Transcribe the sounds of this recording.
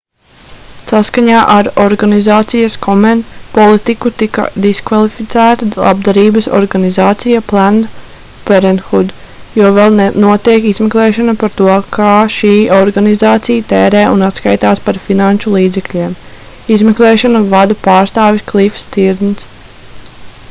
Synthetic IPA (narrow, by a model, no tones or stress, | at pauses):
saskaɲaːʔaɾɔɾɡanizaːt̪sijaskɔmɛnpɔlˠit̪ikut̪ika̰d̪iskvalˠifit̪sæːt̪alˠʔa̰b̚d̪aɾiːbəsɔ̰ɾɡanizaːt̪sijaplˠand̪ | pɛɾɛnxud̪ | jɔːvɛlˠnnuɔt̪iɛkizmɛklˠɛːʃɔnapaɾt̪uɔkʰaːʃiːɔɾɡanizaːt̪sijat̪ɛːɾɛːunat̪ska̰jt̪aːspaɾfinanʃulˠiːd̪zɛklʲiːɛm | izmɛklˠɛːʃɔnavad̪apaːɾst̪aːvisklˠifst̪iɾd̪ns